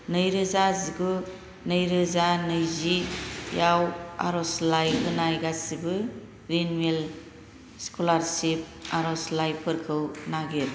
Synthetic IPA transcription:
nɯjɾɯzaziɡu | nɯjɾɯzanɯjzijawa̰ɾɔslajɡɯnajɡasibɯ | ɾinmel | skʰolaɾsip̚aɾɔslajpʰɯɾkʰɯwnaɡeɾ

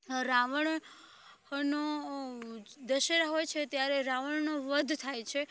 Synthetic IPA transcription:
ɾaʋəɳ | no | d̪əʃəɾəɦojt͡ʃʰet̪jaɾeɾaʋəɳnoʋəd̪ʱt̪ʰajt͡ʃʰe

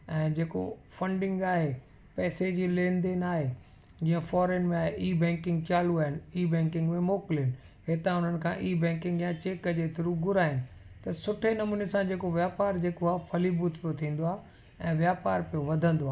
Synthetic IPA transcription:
ɛ̃ːd͡ʑeːko̰fɐ̃ɳɖɪ̃ŋɡaːɦe | pɛːsed͡ʑilẽːnd̪enaːɦe | d͡ʑĩːə̃fɔːɾeːnmẽaːɦeʔiːbɛ̃ːŋkɪ̃ŋɡt͡ɕaːl̤uaːɦɪniːbɛ̃ːŋkɪ̃ŋɡmẽmoːkɪlɪn̆ | ɦet̪ãʊn̤ənɪ̆kʰã̰ʔiːbɛ̃ːkɪ̃ŋɡjãt͡ɕeːkəd͡ʑet̪ɪɾuɡʊɾaːɦɪnɪ̆ | t̪ɐsʊʈʰenɐmuːnesãd͡ʑeːkoʋjaːpaːɾd͡ʑeːkoaːpʰɐlibuːt̪pijot̪ʰĩːn̆d̪oaːɦ | ɛ̃ːʋjaːpaːɾpijoʋɐd̪ʱə̃nd̪oaː

